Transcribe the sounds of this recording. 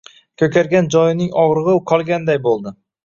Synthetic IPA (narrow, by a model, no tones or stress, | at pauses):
kʰɵkʲaɾɡʲand͡ʒɒjɪnɪŋɒʁɾɨʁɨqʰɒlˠɡʲand̪ajbolˠd̪ɪ